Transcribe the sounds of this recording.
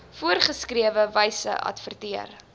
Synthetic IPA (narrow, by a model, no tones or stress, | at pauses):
fuərχəskriəvəvəjsə̰ʔɐ̰tfərtiər